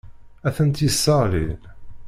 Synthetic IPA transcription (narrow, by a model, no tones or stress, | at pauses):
æθənt̪jəsːəʁlḭn